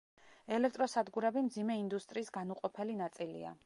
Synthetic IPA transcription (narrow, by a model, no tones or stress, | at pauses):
ɛlɛk̚ʰt̪ʼɾɔsad̪ɡuɾɛbimd̪zimɛind̪ust̪ʼɾiːsɡanuqʼɔpʰɛlinat̪sʼilḭa̰